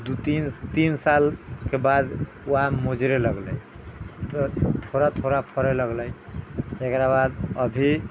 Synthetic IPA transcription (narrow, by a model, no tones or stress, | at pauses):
d̪ut̪int̪insalkebad̪ | uamod͡ʒɾeləɡləj | t̪ɔt̪ʰoɾat̪ʰoɾapʰəɾeləɡləj̪ | ekɾabad̪əbʱi